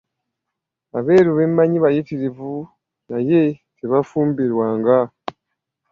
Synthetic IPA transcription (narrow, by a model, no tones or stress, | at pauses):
aβe̞ːɾuβeːmːaɲiβajitiɾivu | najeseβafuːmbiɾwaːŋɡa